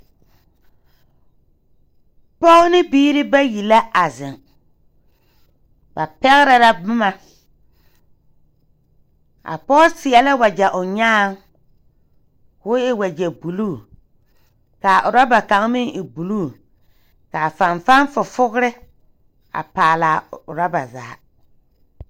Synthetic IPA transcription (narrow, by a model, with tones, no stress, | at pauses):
pɔ˦nɪ˦biː˦ɾɪ˦ba˦ji˨la˦a˨zɪ˨ŋ | ba˨pɛ˦ɣɪ˦ɾa˨la˦bʊ˦ma˨ | ʔa̰˨pɔ˦sɪ˨ɛ˨lɪ˦wa˨d͡ʒɛ˨ʔʊ˨ɲaː˦ŋ | kʊː˦ɪ˨wa˨d͡ʒɛ˨bu˨luː˦˨ | ka˨ʔʊ˨ɾa˦ba˨ka˨ŋ˦mɪ˦ŋɪ˨bu˨luː˦˨ | ka˨fa˨nfa˦nfʊ˨fʊ˦ɣɾɪ˦ | a̰˨paː˨laː˨ʊ˨ɾa˦ba˨za̰ː˨˦